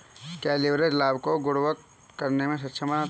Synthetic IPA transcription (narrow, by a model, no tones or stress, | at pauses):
kɛːlɪʋɾed͡ʒlaːbkoɡʊɽʋək̪̚ | kɐɾnemẽs̬ɐt̪ːʃʰəməna